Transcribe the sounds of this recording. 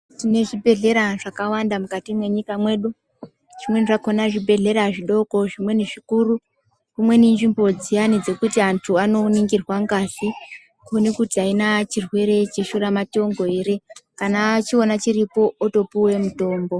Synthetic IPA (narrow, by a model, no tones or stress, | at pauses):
tine̞ʐibʱe̞ɮe̞ɾaʐakawandamukatimwe̞ɲikamwe̞ɗu | ʐ̥imwe̞niʐako̞naʐibʱe̞ɮe̞ɾaʐiɗo̞ko̞ʐimwe̞niʐikuru | kumwe̞nind͡ʒimbo̞d͡zijanid͡ze̞kutiantʰuano̞niŋɡirwaŋɡaɬi | kuonekutiainat͡ʃirwe̞ɾe̞t͡ʃe̞ʃuramato̞ŋɡo̞eɾikanat͡ʃio̞nat͡ʃiripo̞ːto̞puwe̞muto̞ːmbo̞